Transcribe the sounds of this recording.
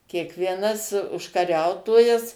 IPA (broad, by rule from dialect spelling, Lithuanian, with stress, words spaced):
kʲiɛkʋʲiɛˈnɐs ʊʃkɐˈrʲɛʊtoːjɛs